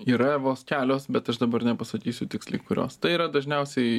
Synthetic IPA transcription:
iːɾɐʋoːskʲæːlʲoːsbʲɛt̪ɐʃd̪ɐbɐrnʲɛpɐsɐt̪ʲiːsʲʊt̪ʲɪksʲlʲɪɪkʊɾʲo̰ːst̪ɐɪiːɾɐd̪ɐʒʲnʲɛʊsʲɛɪ

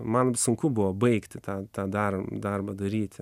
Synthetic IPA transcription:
mɐnsʊŋkʊbʊʋɐbɐɪkt̪ʲt̪ɑːt̪ɑːd̪ɐrd̪ɐrbɐd̪ɐɾʲiːt̪ʲ

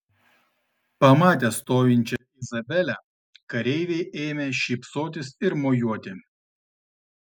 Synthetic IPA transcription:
pɐmɑːt̪ʲɛst̪oːjʲɪnʲt͡ʃʲɛ | ɪzɐbʲɛlʲɛ | kɐɾʲɛɪʋʲɛɪʔeːmʲeːʃʲiːpsoːt̪ʲɪsɪɾmojuɔt̪ʲɪ

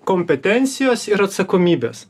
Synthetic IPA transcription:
komʲpʲɛt̪ʲɛnʲt̪sʲɪjoːsɪɾɐt̪sɐkomʲiːbʲḛːs

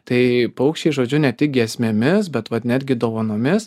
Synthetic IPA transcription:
t̪ɐɪpɐʊkʃʲt͡ʃʲɛɪʒoːd͡ʒʲʊnʲɛt̪ʲɪk̚ɡʲɛɛsʲmʲeːmʲɪs̬bʲɛt̪ʋɐt̪nʲæːd̪ʲɡʲɪd̪oːʋɐnoːmʲɪs

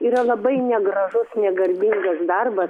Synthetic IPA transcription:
iːɾɐlˠɐbɐɪnʲɛɡɾɐʒʊsnʲɛɡɐɾʲbʲiŋɡɐsd̪ɐrbɐs

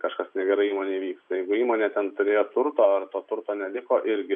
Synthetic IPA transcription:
kɐʃkɐsnʲɛɡʲɛɾɐɪiːmoːnʲeːʋʲiːkst̪ɐjɛɪɡʊiːmoːnʲeːt̪ʲɛnt̪ʊɾʲeːjoːt̪ʊɾt̪oːɐrt̪oːt̪ʊɾt̪oːnʲɛlʲɪkoːʔɪɾʲɡʲɪ

